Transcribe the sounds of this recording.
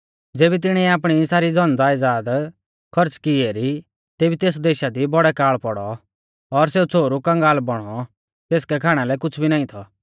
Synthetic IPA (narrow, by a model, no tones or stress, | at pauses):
d͡zeːbit̪ɪɽ̃ɛaːp̬ɽ̃isaːɾid͡zɔnd͡zaːɪd͡zaːd̪ | kʰɔɾt͡skɪeɾi | t̪eːbit̪eːs̬d̪eːʃad̪ibɔɽɛkaːɭpɔɽɔ | ɔɾseːut͡sʰoːɾukɐ̃ŋɡaːlbɔɽ̃ɔ | t̪eːskɛkʰaːɽ̃alɛkʊt͡sʰbʱinaːĩt̪ʰɔ